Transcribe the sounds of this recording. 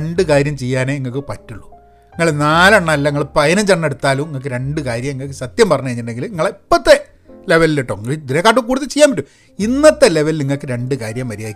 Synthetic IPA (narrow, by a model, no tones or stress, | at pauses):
eɳɖɨkaːɾjɐmt͡ɕejːaːneŋːɐkːɨpɐtːuɭːu | iŋːɐɭnaːlɐɳːaːlːɐiŋːɐɭpɐjɐnɐt͡ɕɐɳːeɽut̪ːaːlumiŋːɐk̬ːɨɾe̞ɳɖɨkaːɾjɐmeŋːɐkːɨsɐt̪jɐmpɐrɐɲːukɐjiɲːiʈɳɖeŋɡiliŋːɐɭipːɐt̪ːe | le̞ʋɐliliʈːoŋːɐɭd̪iɾekːaːʈːukːuːɽt̪ːɐt͡ɕejaːmbɐtːu | inːɐt̪ːeleʋɐlniŋːɐɭkːɨɾe̞ɳɖɨkaːɾjɐmːɐɾijaːjikʲː